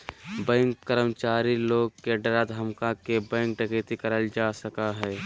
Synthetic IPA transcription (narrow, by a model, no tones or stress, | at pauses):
bɛ̃ːŋkːəɾəmt͡ʃaːɾiloːɡ̚keɖɐɾad̪ɦəmkakebɛ̃ːŋk̚ɖəket̪ikəɾəld͡ʒaːsəkaɦɛː